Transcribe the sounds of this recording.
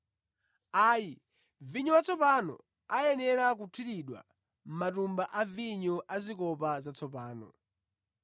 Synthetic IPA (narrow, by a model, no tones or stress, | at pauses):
aːji | viɲɔwat͡sʰɔpanɔ̰ | ajɛnɛɾak̬utʰiɾiɗwa̰ | m̩matumbaʔaviɲɔʔazikɔpazat͡sʰɔp̬aːnɔ̰